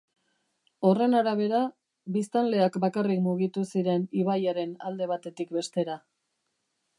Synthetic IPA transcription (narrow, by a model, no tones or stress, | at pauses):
o̞re̞naɾaβ̞e̞ɾa | bist̪anle̞akbakarikmuɣit̪usiɾe̞niβajaɾe̞nald̪e̞β̞at̪e̞t̪ik̚be̞st̪e̞ɾa